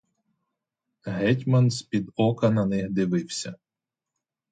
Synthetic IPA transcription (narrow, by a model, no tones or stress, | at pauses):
ɦɛtʲmɐnsʲpʲid̪ɔkɐnɐnɪxd̪ɪʋɪwsʲɐ